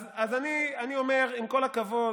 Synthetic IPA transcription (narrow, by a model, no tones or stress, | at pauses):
zazanianio̞me̞ʁimko̞lakavo̞